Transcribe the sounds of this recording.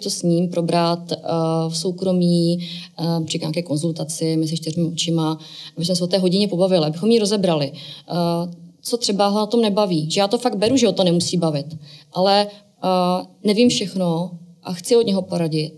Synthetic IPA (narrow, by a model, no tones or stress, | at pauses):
t̪osɲiːmpɾo̞bɾat̪fso̞wkɾo̞miː | rɪkɲaːkɛːko̞nzult̪at͡sɪmɛzɪʃt̪ɪrmɪot͡ʃɪma | abɪsmɛsɛot̪ɛːɦo̞ɟɪɲɛpo̞bavɪlɪabɪxo̞mjɪɾo̞zɛbɾalɪ | t͡so̞t̪r̥ɛbaɦonat̪o̞mnɛbaviːʒɛjaːt̪o̞faɡ̚d̪bɛɾuʒɛɦot̪onɛmusiːbavɪt̪ʔalɛ | nɛvimfʃɛxnoʔaxt͡sɪod̪ɲɛɦo̞po̞ɾaɟɪt̪̚